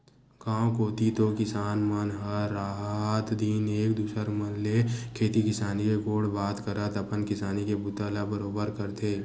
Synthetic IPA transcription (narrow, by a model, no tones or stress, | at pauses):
kãːkoːt̪it̪okɪsaːnmənɦəːaːɦɦət̪d̪ineːk̚d̪uːsəɾmənlekʰeːt̪ikɪsaːnikeɡoːɽbaːt̪kəɾət̪ɐpənkɪsaːnikebʊt̪aːlabəɾoːbəɾkəɾt̪eː